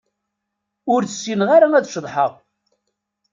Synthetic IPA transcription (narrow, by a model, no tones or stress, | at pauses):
ʊɾθəsːinʁaɾaæðʃəðˤħəʁ